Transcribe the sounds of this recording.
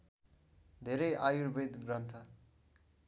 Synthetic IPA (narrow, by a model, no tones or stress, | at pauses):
d̪ʱeɾʌjʔajuɾbid̪ɡrʌnt̪ʰʌ